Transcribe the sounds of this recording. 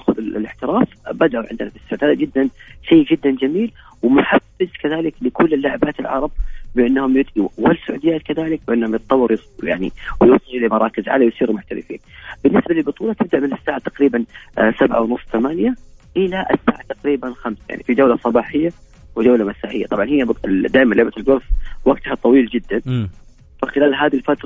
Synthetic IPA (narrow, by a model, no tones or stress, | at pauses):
xʊðɪlɪħt̪ɪɾaːfbad̪aʔuʕɪ̰nd̪nafisːaʕt̪haːðd͡ʒɪd̪ːanʃejːd͡ʒɪd̪ːand͡ʒamiːl | wɪmʊħafːɪzkaðaːlɪklɪkʊlːɪlːʊʕabaːt̪ɪlʕɑ̰ɾˤɑb̚bɪʔɪnːhʊmjʊd̪ʔiwalsʊʕṵːd̪ɪjaːt̪kaðaːlɪk̚bɪʔɪnːhʊmjɨt̪̚ˤt̪ˤɑwːɑɾjɪsˤuja̰ʕnḭwjɪwsˤɑlulimɑɾˤɑːkɪzʕa̰lawjsˤiːɾumʊħt̪alɪ̰fḭːnbɪnːɪsbalɪlbɨt̪ˤuːlɑt̪ɪb̚d̪aʔmɪnasːaːʕat̪aqɾiːbansabʕa̰wnʊsˤːt̪amaːnjaʔɪlaʔasːaːʕat̪aqɾiːbanxamsaja̰ʕnifid͡ʒawlasˤɑbɑːħɪjːa | wɪd͡ʒawlamasaːħɪjːat̪ˤɑbʕɑnhɪjːab̪d̪aːʔmanlʔɪbat̪ɪlɡʊɾswaɡt̪hat̪ˤɑwiːld͡ʒɪd̪ːan | faxɪlaːlɦaːðilfat̪ɾˤ